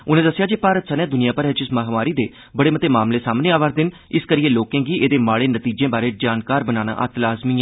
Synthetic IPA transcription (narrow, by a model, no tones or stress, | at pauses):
ʊnẽːd̪əsːjaːd͡ʒeːpaːɾət̪sənɛːd̪ʊnijaːpəɾɦɛt͡ʃɪsməɦmaːɾiːd̪eː | bəɽeːmət̪eːmaːmleːsaːmneːaːʋaːɾd̪ɪn | ɪskəɾiːeːloːkẽːɡiːʔeːd̪eːmaːɽeːnət̪iːd͡ʒẽːbaːɾeːd͡ʒaːnkaːɾbənaːna̰ːʔə̰t̪laːzmiːãː